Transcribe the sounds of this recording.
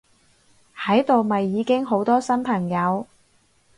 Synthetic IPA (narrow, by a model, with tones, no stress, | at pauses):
hɐ˨˥jt̪o˨wmɐ˨jːiː˨˧kɪ˥ŋɦo˨˥wt̪ɔː˥sɐ˥npʰɐ˨˩ŋjɐ˨˧w